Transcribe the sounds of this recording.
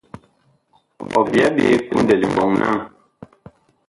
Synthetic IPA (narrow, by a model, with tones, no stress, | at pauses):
ɔ̰˨bja˦bḛ˨˦pu˦n̩˦de˨li˨bɔ˨ŋnʔa̰˦ŋ